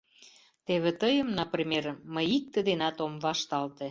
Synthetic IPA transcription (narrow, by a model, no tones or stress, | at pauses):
t̪eβet̪əjəmnɑprimʲeɾːəjik̚t̪əd̪enɑt̪omβɑʃt̪ɑlt̪e